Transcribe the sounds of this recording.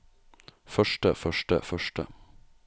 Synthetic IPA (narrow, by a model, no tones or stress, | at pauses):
fœʃʈəfœʃʈə̰fœʃʈə̰